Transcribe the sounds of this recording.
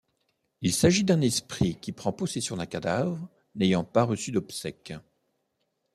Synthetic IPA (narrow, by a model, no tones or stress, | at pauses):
ilsaʒid̪ɛ̃nɛspχikʲipχɑ̃pɔsesjɔ̃d̪ɛ̃kad̪avʁ | nejɑ̃paʁəsyd̪ɔbsɛk